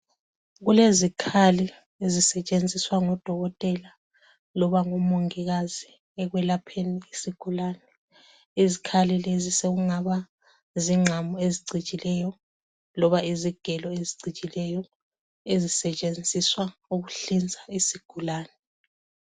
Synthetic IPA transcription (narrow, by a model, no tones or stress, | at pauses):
ɣulezikʰali | ezisɛt͡ʃʼend͡zʱiswaŋɔd̥ʱɔɣɔtʼɛla | lɔβaŋɔmoŋɛɣazi | ɛɣwɛlapʰeniːsiɡ̥ʱulaːnɛ | izikʰalileziseɣuŋaβa | ziŋ͡ǁʱamɔeziǀʱit͡ʃʼilɛjɔ | lɔβaiziɡ̥ʱɛlɔeziǀit͡ʃʼilɛjɔ | ezisɛt͡ʃʼend͡zʱiswauɣuɬind͡zʱaisiɡ̥ʱulaːnɛ